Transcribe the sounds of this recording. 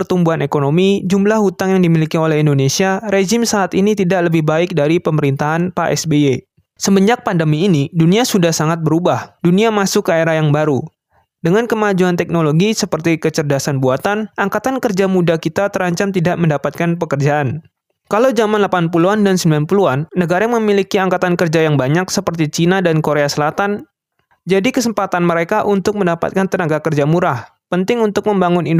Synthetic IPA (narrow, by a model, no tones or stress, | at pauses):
pərt̪umbuanekonomid͡ʒumlahhut̪aŋjaŋdimilikiolɛhindonesiaɾed͡ʒɪmsaːt̪init̪idaʔləbɪhbaɪk̚daɾipəməɾint̪aɦanpaʔɛ̰sbee | səbəɲd͡ʒak̚pandəmiːniduniasudahsaŋat̪̚bəɾubahduniamasʊkaeɾajaŋbaɾu | dəŋankəmad͡ʒuant̪ɛk̚noloɡisəpərt̪ikət͡ʃərdasanbuat̪anʔaŋkat̪ankərd͡ʒamudakit̪at̪əɾaɲt͡ʃamt̪idaʔməndapat̪̚kanpəkərd͡ʒaʔːn | kalawzamanlapanpuluandansəmbilanpuluanːəɡaɾaŋməmilikiaŋkat̪ankərd͡ʒajaŋbaɲaksəpərt̪it͡ʃinadankoɾeasəlat̪an | d͡ʒadikəsəmpat̪anməɾekaʔunt̪ʊk̚məndapa̰t̪̚kant̪ənaɡakərd͡ʒamuɾah | pənt̪ɪŋunt̪ʊk̚məmbaŋʊnind